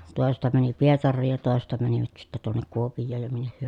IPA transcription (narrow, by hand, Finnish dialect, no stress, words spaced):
toˑesestɑ mæni pietɑrːiːj jɑ toˑesestɑ mæniʋæt sitːæ tuonːek kuopijˑoːj jɑ minːeh hyø